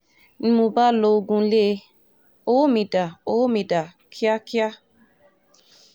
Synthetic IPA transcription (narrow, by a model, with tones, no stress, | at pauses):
n̩˦mo˧ba˦lo˧ɡũ˧˦le˦ | o˦mĩ˨da˨o˦mĩ˧da˨ | kʰi˦a˦ki˦a˦